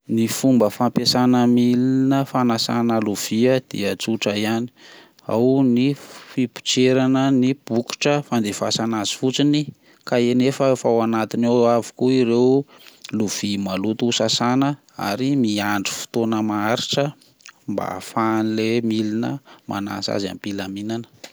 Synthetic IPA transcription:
nifumbəfampesanəmiliinəfanasanəluv̥iəd̪̥ḭət͡suʈ͡ʂəiani̥ | a̰wnifipi̥t͡ʃeɾanənib̥uki̥ʈ͡ʂəfand̪eva̰sanazi̥fut͡sini | kaenefəfawanat̪inaavi̥kuiɾew | luv̥imalut̪usasanə | a̰ɾimiaɳɖ͡ʐi̥fi̥t̪onəmaaɾiʈ͡ʂə | mba̰fanilemilinə̰ma̰na̰sa̰za̰mpilaminanə̥

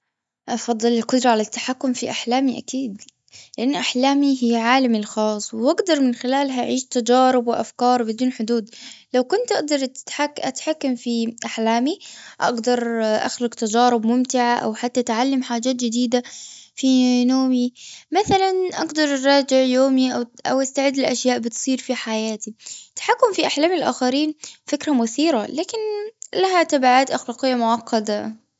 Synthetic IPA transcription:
ʔɑfɑd̪ˤːɨlɪlqʊd̪ɾˤɑʕalat̪ːḁħakːʊmfiʔaħlaːmiʔakiːd̪ | lɪʔanːʔaħlaːmiɦɪjʕaːlamɪlxɑːsˤːwʔaɡd̪ɑɾˤmɪnxɪlaːlɦaʔaʕiːʃt̪ad͡ʒɑːɾɪbwɪʔa̰fkɑːɾˤbɪd̪uːnħʊd̪uːd̪lawkʊnt̪ʔɑɡ̚d̪ɑɾˤt̪ħaʔat̪ħakːamfiʔaħlaːmiʔɑ̰ɡd̪ɑɾˤʔa̰xlaɡt̪ɑd͡ʒɑːɾɪbmʊmt̪ɪʕaʔa̰wħat̪ːaʔt̪ʕalːamħaːd͡ʒaːt̪d͡ʒɪd̪iːd̪afinoːmimaθalanʔɑɡd̪ɑɾˤɾˤɑːd͡ʒɪʕjoːmiʔawʔa̰wʔast̪aʕɪd̪ːɪlʔaʃjaːʔbɪt̪sˤiːɾfiħajaːt̪it̪ḁħakːʊmfiʔaħlaːmɪlʔa̰ːxaɾiːnfɪkɾamʊθiːɾalaːkɪnlaɦat̪abaʕaːt̪ʔaxlaːqɪjːamʊʕɑqːɑd̪a

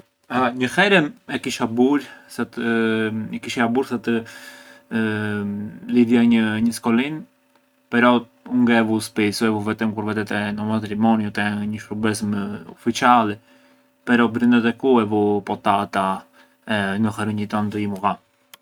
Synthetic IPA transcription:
aɲəhɛɾɛmɛkiʃabuɾsat̪ | ikiʃɛabuɾsat̪ə | liðjaɲəɲəskɔlin | pɛɾɔ | uŋɡɛvuspɛsuɛvuvɛt̪əmkuɾvɛt̪ɛt̪ɛnɔmat̪ɾimɔnjut̪ɛɲəʃɾubɛs̬mufit͡ʃalɛ | pɛɾɔbɾind̪ɛt̪ɛkuɛvupɔt̪at̪a | ɛnəxɛɾəɲit̪ɔnt̪əimuɣa

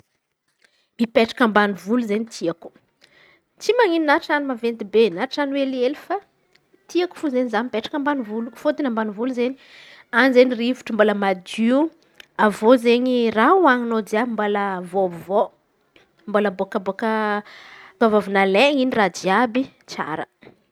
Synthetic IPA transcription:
mipeʈ͡ʂḁkəmbanivuluzeɲit̪ʰiaku̥ | t͡simaŋininaʈ͡ʂanimavend̪ibenaʈ͡ʂanwelielifa | t̪iaku̥fuzeɲizanmipeʈ͡ʂḁkəmbanivulufod̪inambanivuluzeɲi | anizenirivu̥ʈ͡ʂəmboləmad̪iu | avozeɲirauaŋinod͡ziabimbaləvovo | mbolaboakəbokə | k̪avovunaleŋiniradiabi | t͡sa̰ɾə̰

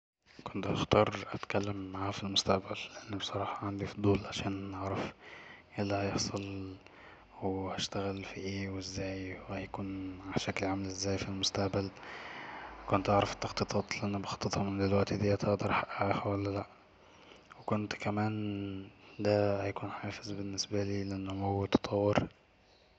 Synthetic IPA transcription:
kont̪hɑxt̪ˤɑːɾˤʔæt̪kælːemːaʕafilmost̪æʔbælːeʔenːibesˤɑɾˤɑːħɑʕand̪ifd̪ˤuːlʕaʃæːnʔɑʕɾˤɑfʔelːæhɑjeħsˤɑl | wehæʃt̪æɣælfiʔeːwezːæːjwehæjækuːnaʕʃæklʕamælʔezːæːjfilmost̪æʔbæl | kʊnt̪ʔaʕɾˤɑft̪ːɑxt̪ɨt̪ˤɑːt̪ˤlɪʔænːbɑxɑt̪ˤːɨt̪ˤhɑmɪnd̪ɪlwæʔt̪id̪iːæt̪ʔeʔd̪ɑɾˤħaʔːæʔaxæwælːælæʔ | wekʊnt̪kæmæːn | d̪æhæjkuːnħɑːfɪzbɪnːɪsbæliːlʔenːʊmowːæt̪ːɑ̥t̪ˤʰɑwːeɾ

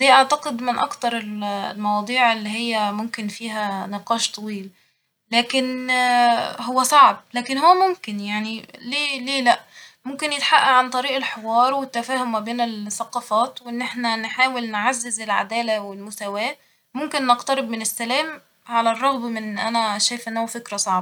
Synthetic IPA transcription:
d̪̥iːʔaʕt̪aqɪd̪mɪnʔɑ̰kt̪ɑɾˤɪllmɑwɑːd̪ˤiːʕɪlːiɦɪjːæmʊmkɪnfiːɦænɪqɑːʃt̪ˤɑwiːl | læːkɪn | ɦʊwːæsˤɑʕb̚læːkɪnhʊwːæmʊmkɪnjaʕnileːleːlæʔmʊmkɪnjɪt̪ħaʔːæʕant̪ˤɑɾiːʔɪlħewɑːɾˤwɪt̪ːæfæːhʊmːæbeːnɪlθːæqɑːfɑːt̪wʔɪnːʔeħnænħaːwɪlnʕazːɪzɪlʕa̰d̪æːlæwɪlmʊsæwæː | mʊmkɪnːɪqt̪ɑɾɪbmɪnɪsːælæːm | ʕalærˤːɑɣbmɪnʔænæʃæːjfʔɪnːhowːæfɪkɾæsˤɑʕbɑ

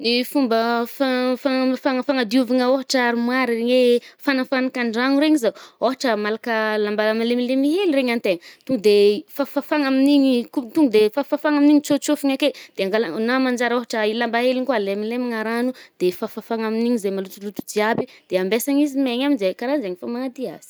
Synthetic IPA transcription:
nifumbəfafafaŋəfaŋad̪iuvaŋəoɦaʈ͡ʂaɾimwaɾireŋefanafanakaɳɖ͡ʐaŋuɾeɲizaoɦaʈ͡ʂəmalakəlambalamilemilemiɦelireŋant̪eŋət̪uŋɡud̪efafafaŋaminiɲikut̪uŋɡud̪efafafaŋaminiɲit͡sot͡sofiŋaked̪̥eaŋɡalanamand͡ʒaɾoɦaʈ͡ʂəilambaɦeliŋkualemilemiŋaɾanud̪̥efafafaŋaminiɲizemalut̪ulut̪ud͡ʒiabid̪̥eambesaŋizimeɲaminzekaɾanzeŋifamaŋad̪ia̰z̥i̥

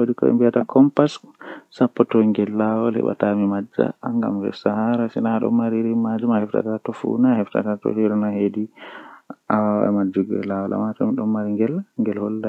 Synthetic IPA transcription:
wodikɔ̰ɛ̰mbiatakʰɔmpassapːɔtɔŋɡɛlːawɔlɛ̰ɓa̰tamimad͡ʒa̰ŋɡa̰mvɛ̰sahaɾasinaɗɔ̰mːaɾiɾimad͡ʒumahɛfta̰tatɔfṵnahɛfta̰tatɔ̰hiɾɔnahedi | ʔawaa̰mad͡ʒuɡɛ̰lːawɔlʔa̰matɔmiɗɔmmːaɾiŋɡɛlŋɡɛlhɔlːa

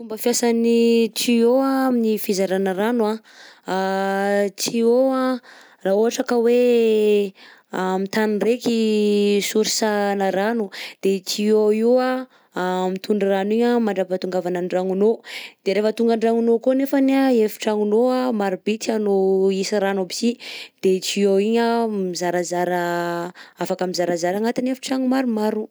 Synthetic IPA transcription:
t̪umbəfjasanit͡sioaminifizaɾanəɾanua | a | t͡sioa | raoɦaʈ͡ʂakəwe | amit̪anrekisuɾisanəɾanud̪̥et͡sioia | mit̪uɳɖ͡ʐiraniɲəmaɳɖ͡ʐapat̪uŋɡavanaɳɖ͡ʐaŋunod̪̥eɾefət̪uŋɡaɳɖ͡ʐaŋunokonefaneaefi̥ʈ͡ʂaŋunoamaɾubit̪ianoisəɾanobi̥sid̪̥et͡ʃioiɲəmizaɾazaɾə | afakəmizaɾazaɾaŋat̪inefi̥ʈ͡ʂaŋumaɾumaɾu

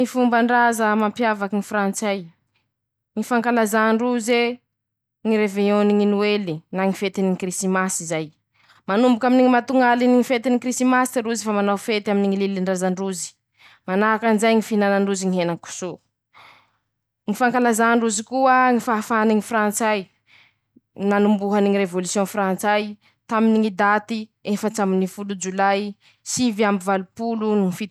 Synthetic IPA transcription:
ifumbaɳɖ͡ʐazəmampjavakiŋifɾant͡saj | ŋifaŋkalazaɳɖ͡ʐuze | ŋiɾeveoniŋinuelinaŋifet̪iniŋkrisimasizaj | manumbukaminiŋimat̪uŋaliniŋifet̪inikɾistimasi̥t̪eɾuzifamanawfet̪aminiŋililiɳɖ͡ʐazaɳɖ͡ʐuzi̥ | manaɦakanzajŋifinanaɳɖ͡ʐuziŋiɦenaŋku̥so | ŋifaŋkalazaɳɖ͡ʐuzikuəŋifafaniŋifrant͡saj | nanumbuɦaniŋiɾevolusjɔ̃frant͡saj | t̪aminiŋid̪at̪iefət͡saminifulud͡ʒulaj | siviambivalupuluniŋifi

